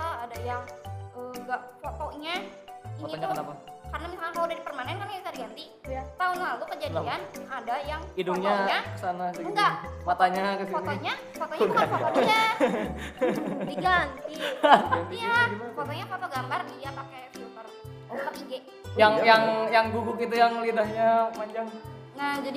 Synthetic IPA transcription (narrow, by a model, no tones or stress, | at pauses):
aadajaŋəɡaʔfot̪ɔɲaifɔtɲɔɲakənapakarnamisalɲakaladadipərmanɛnkamibisadiɡant̪i | t̪aʊnlalukəd͡ʒadlianadajaŋidʊŋɲaɲakə̥sanasiuɡamat̪aɲakəsifɔɔɲa | fɔt̪ɔɲaɲa | diɡant̪ianijaiafɔt̪ɔɲafot̪oɡambardijapakɛsiut̪ər | p̪əiɡɛ | jaŋjaŋjaŋɡuɡʊkit̪̬ujaŋlidahɲamaɲd͡ʒaŋ | nad͡ʒadi